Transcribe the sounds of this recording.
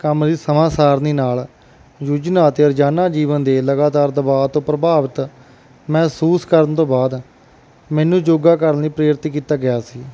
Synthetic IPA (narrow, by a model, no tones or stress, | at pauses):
kəmd̪iːsəmaːsaːɾniːnaːl | jud͡ʒnaːt̪eːəɾd͡ʒaːnaːd͡ʒiːʋənd̪eːləɡaːt̪aːɾd̪əbaːt̪õːpɾəbaːʋət̪ | mɛ̃ːsuːskəɾənt̪õːbaːd̪ | mɛ̃ːnũːd͡ʒoːɡaːkəɾəniːpɾeːɾɪt̪ik̬iːt̪aːɡɪjaːsiː